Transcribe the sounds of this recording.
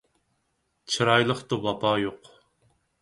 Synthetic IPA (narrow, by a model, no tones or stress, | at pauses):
t͡ʃʰɨɾɑjlˠəχt̪ubɑpʰɑːjoq